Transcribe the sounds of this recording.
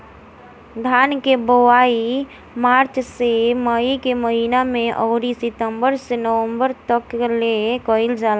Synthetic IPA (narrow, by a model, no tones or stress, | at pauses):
d̪ʱaːnkebəwaːi | maːɾt͡ʃseməikeməɦiːnamẽʔɔːɾisɪt̪ə̃mbəɾsenəʋə̃mbəɾt̪əklekəɪld͡ʒaːla